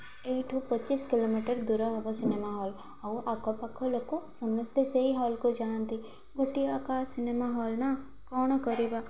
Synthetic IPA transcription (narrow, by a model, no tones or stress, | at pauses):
eːʈʰupətːt͡ʃiskɪlomiʈəɾd̪uɾɔɦɔbosɪnemaɦɔːl | auʔakɔpakʰːolokosɐməst̪eseiɦɔːlkod͡ʒaːnt̪i | ɡʱoʈːiakaːɾsɪnemaɦɔːlna | kɔːɳ̃kəɾiba